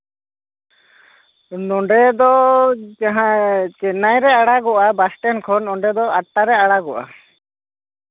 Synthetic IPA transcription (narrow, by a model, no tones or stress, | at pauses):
nɔɳɖɛd̪ɔd͡ʒaɦãt͡ʃɛnajɾɛaɽaɡɔʔabasʈɛnkʰɔnɔɳɖɛd̪ɔaʈːaɾɛaɽaɡɔʔa̰